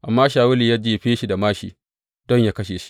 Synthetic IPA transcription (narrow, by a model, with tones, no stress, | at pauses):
ʔa˨mːaː˦ʃaː˨wʊ˦liː˨jaː˦d͡ʒe˦˨ɸeː˦ʃi˨da˨maː˦ʃḭː˨ | dɔ˦ɲjaː˦kɐ˦ʃeː˨ʃi̥˦